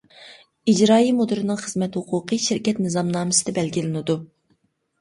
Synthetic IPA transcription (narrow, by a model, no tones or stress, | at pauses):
id͡ʒɾɑːjimud̪ɨɾɨnɨŋχəz̥mɛt̪hʊqʰʊqɨʃɪɾkʲɛt̪̚nɨzɑmnɑːmɨsɨd̪ɛbɛlɡʲilɪnɪd̪u